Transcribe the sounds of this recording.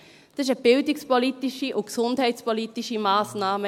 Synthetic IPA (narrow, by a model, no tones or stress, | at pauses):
d̥ɑsɪʃəb̥ɪldɪkspolitiʃiʔʊksʊndhɛɪtspɔlitiʃimaːsnaːmə